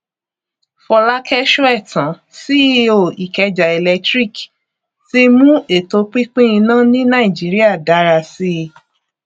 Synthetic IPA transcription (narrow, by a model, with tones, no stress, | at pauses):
fɔ˧la˦kʰɛ˦ʃo˦ɛ˦˨tã˨˦ | si˦o˦˨i˨kɛ˧d͡ʒa˨e˨lɛ˧tɾi˦˨k | ti˧mũ˦e˦˨to˨˦k͡pi˦k͡pĩ˦ĩ˧nã˦nĩ˦nã˦i˨d͡ʒi˨˦ɾi˦a˦˨da˨˦ɾa˧si˦˧